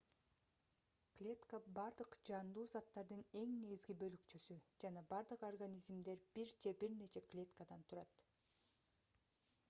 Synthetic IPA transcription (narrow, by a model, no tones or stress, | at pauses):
klʲe̞t̪kəbɑɾd̪ɯqd͡ʒɑnd̪uːzɑt̪ːɑɾd̪ɯne̞ŋne̞ɡizɡibø̞lykt͡ʃysyd͡ʒɑnɑbɑɾd̪ɯqorɡanʲizmd̪e̞ɾb̥iɾd͡ʒebiɾnet͡ʃe̞klʲe̞t̪kad̪ɑnt̪ʰuɾɑt̪